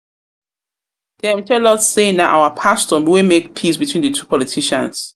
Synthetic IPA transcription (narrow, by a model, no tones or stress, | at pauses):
d̥ɛãmtʰɛlɔtseɪ̃ŋðaʔa̰wəpʰastɔmwɪmek̚pʰisbitʰwĩːnðətʰuːpʰɔlitʰiʃə̰̃ns